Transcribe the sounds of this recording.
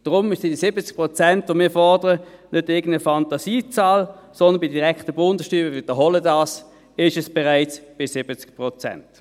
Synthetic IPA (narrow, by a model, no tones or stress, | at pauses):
d̥ʁʊmɪʃsɪdisɪbət͡sk̚pʁɔt͡sɛntʋomɪːɐfɔʁdəʁənødɪɡn̩əfɑntasiːt͡saːlsɔnd̪ənbɪdiʁɛkχtəbʊndəsʃtyːbəʋɪd̥əɦɔlədɑːs | ɪʃɛsb̥ɛʁaɪt͡sb̥ɪsɪbət͡sk̚pʁɔt͡sɛ̰nt